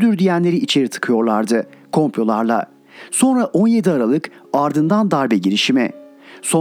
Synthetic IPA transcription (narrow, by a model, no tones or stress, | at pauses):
d̪yɾd̪ijænlʲe̞ɾiit͡ʃʰe̞ɾit̪ʰɯ̥kʰɯjo̞ɾlˠaɾd̪ɯ | kʰo̞mpʰlʲo̞lˠaɾlˠa̰ | so̞nɾaʔo̞nje̞d̪iaɾalˠɯk | aɾd̪ɯnd̪and̪aɾbɛɟiɾiʃimɛ̰ | so